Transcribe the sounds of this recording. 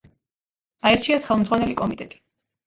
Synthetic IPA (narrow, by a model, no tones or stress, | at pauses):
aɛɾt͡ʃʰiasχɛlˠmd̪zʁwanɛlikʼɔmit̪ʼɛt̪ʼi̥